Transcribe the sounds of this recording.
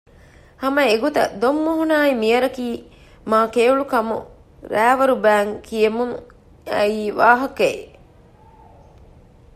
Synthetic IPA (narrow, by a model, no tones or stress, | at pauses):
hɐmɐeɡut̪ɐ̰d̪omːuɦunaːimijɐɾɐkiː | maːkeːuɭukɐmṵ | ɾæːʋɐɾubæːŋkijɐmuŋ | ɐiːʋaːɦɐkɐḛ